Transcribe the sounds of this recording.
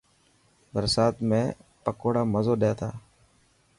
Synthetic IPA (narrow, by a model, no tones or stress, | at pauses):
bəɾsaːt̪mẽːpəkoːɽaːməzoːɗeːt̪ʰa̰ː